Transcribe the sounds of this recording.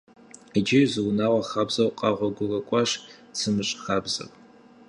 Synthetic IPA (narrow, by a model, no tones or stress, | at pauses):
id͡ʒɪɥzɨwnawaχabzawqʼaʁʷaɡʷʊrakʷʼaʂsʰɨmɨʂʼχabza̰pʼ